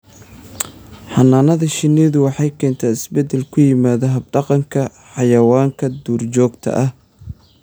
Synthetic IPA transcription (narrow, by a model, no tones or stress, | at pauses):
ħɑnaːnɐðɐʃɪniːðʊwɑħɑjkʰɛːnt̪ʰaːɪsbɛd̪ɛlkʰʊjɪmaːðɐɦɐb̚ɖɑqɑŋkʰɐ | ħɑjɐwaːŋkʰɐd̪uːrt͡ʃɔːɡt̪ʰɐ̰ʔɐh